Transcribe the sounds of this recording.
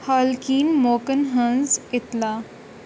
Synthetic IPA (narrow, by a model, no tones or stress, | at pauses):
haːlkiːnmoːkənɦə̃nzɪt̪laː